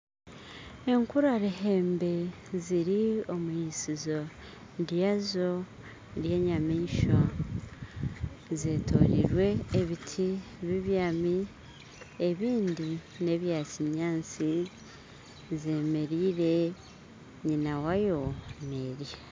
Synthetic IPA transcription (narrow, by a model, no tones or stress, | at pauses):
eŋkuɾaɾiɦe̞ːmbe̞ | ziɾio̞mujisizo̞ | djazo̞ | ɾje̞ːɲamiʃo | zetʰo̞̰ɾḭɾwe̞ːβitʰi | βiβjami | eβiːndi | ne̞βjaciɲaːnt͡si | zeme̞ɾiːɾe̞ | ɲinawajo̞neːɾi